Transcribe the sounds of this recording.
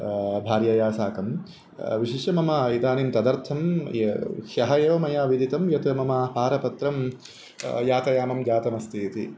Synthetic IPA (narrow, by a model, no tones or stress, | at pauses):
bʱaːɾjɐjaːsaːkɐm | ʋiʃiʃɐmɐmɐid̪aːnimt̪ɐd̪ɐɾt̪ʰɐm | hjɐɦɐjoːmɐjaːʋid̪it̪ɐmjɐt̪ɐmɐmaːɦaːɾɐpɐt̪ɾɐm | jaːt̪ɐjaːmɐmd͡ʒaːt̪ɐmɐst̪ʰiːt̪ḭ